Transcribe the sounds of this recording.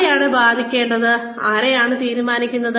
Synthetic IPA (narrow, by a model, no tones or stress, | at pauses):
jaːɳɨbaːd̪ʱikʲːe̞ːɳɖɐðɨ | aːɾejaːɳɨt̪iːɾumaːnikʲːunːɐðɨ